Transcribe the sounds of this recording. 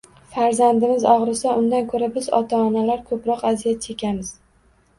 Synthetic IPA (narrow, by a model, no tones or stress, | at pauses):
faɾzand̪ɪmɪzɒʁɾɪsaʔʊnd̪ankʰɵɾabɪzɒ̰t̪ʰaːnalaɾkʰɵpɾɒqazijat̪̚t͡ʃʰekʲʰamɪz̥